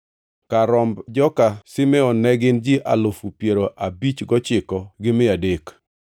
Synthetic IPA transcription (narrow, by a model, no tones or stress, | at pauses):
kaɾɔmbd͡ʒɔkasɪmɛɔnɛɡɪnd͡ʒiʔalofupjeɾoʔabit͡ʃɡɔt͡ʃɪkɔɡɪmɪadek